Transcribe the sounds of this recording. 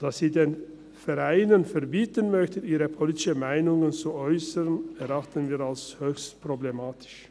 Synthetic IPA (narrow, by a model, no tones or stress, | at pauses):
d̥aːsz̥iːdeːn | fɛʁaɪnənfɛʁbiːtənmœçtəʔiːʁəpʰoliːtɪʃəmaɪnʊŋənt͡suɔʏsəʁnɛʁaχtənviːʁalshøːçstpʁ̥oblemaːtʰɪ̥ʃ